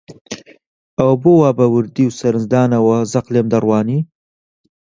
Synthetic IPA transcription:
awbowɑːbawɨɾd̪iwsɐɾɨnzd̪ɑːnawazaqleːmd̪aɾwɑːni

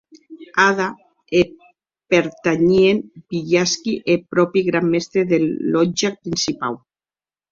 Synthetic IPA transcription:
aða | e | peɾt̪aɲienbiʎaskiʔepɾɔpiɣɾamːest̪ɾeðeɔd͡ʒapɾinsipa̰w

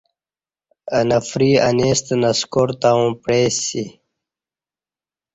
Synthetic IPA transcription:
ɐnɐfɾiːɐneːst̪nɐskoɾt̪aũːpɽeːsi

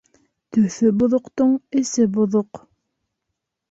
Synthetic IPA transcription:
t̪ɵ̆θɵbŏðŏqt̪oɴɘ̆sɘbŏðoq

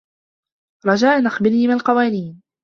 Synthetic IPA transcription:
ɾˤɑd͡ʒaːʔnaxbɪlhɪmalqɑwaːniːn

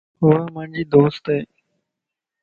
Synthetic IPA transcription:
ɦʊːaːmãːɳd͡ʒiːd̪oːst̪eː

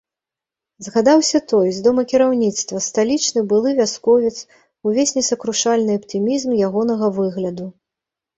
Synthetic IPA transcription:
zɣad̪awsʲɐt̪ɔjzd̪ɔmɐkʲiɾawnʲit̪st̪vɐst̪alʲit͡ʂnɨbɨlˠɨvʲaskɔvʲɛt̪s | uvʲesʲnʲɛsɐkɾuʂalʲnɨɐpt̪ɨmʲizmjaɣɔnɐɣɐvɨɣlʲɐd̪u

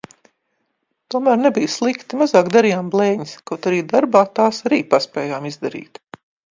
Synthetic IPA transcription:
t̪uɔmæːɾnebijslˠikt̪imazaːkd̪aɾijaːmblˠeːɲiskawt̪aɾiːd̪aɾbaːt̪aːsaɾiːpaspʲɛːjaːmizd̪aɾḭːt̪

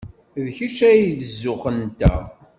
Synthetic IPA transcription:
ðçit͡ʃæjd̪əzːʊχənt̪æ̰

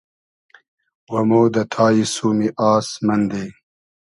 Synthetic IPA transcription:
wɐmoːd̪ɐt̪ʰaːjisuːmiʔaːsmɐnd̪e

